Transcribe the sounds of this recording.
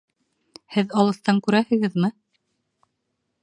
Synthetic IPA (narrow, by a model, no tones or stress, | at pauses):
hɘðɑlˠɤ̆θt̪ɑŋkʉɾæhɘ̆ɡɘðmɘ